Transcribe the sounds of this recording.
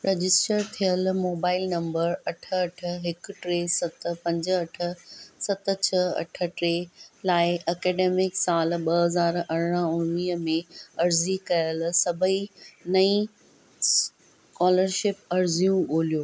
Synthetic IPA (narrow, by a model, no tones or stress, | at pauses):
ɾed͡ʑɪsʈəɾt̪ʰijəlmoːbaːɪlnɐ̃mbəɾɐʈʰəɐʈʰə̆ɦɪkʈɾeːsɐt̪̆pɐ̃ɲd͡ʑɐʈʰə̆sɐt̪̆t͡ɕʰəɐ̰ʈʰə̆ʈɾeːlaːɪʔɐkɛːɖeːmɪksaːlɓɐɦɐzaːɾɐɽ̤ɽ̃əʊnniːɦəmẽɐɾzikɐjəlsɐbʱəinɐĩ | kɔːləɾʃɪpɐɾzijũoːlijoː